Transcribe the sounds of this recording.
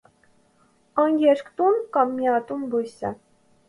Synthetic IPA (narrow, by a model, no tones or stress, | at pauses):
ɑŋɡɛɾkt̪unkɑmːiɑt̪umbujsə̰